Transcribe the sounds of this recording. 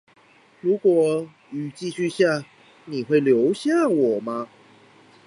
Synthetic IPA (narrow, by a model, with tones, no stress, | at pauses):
ɻu˨˥kwɔ˨˩ | y˨˩t͡ɕi˥˧ɕy˥˧ɕja˥˨ | ni˨˩xwe˥˩ɪljo˧˦ʊɕja˥˨wɔ˨˩ma˦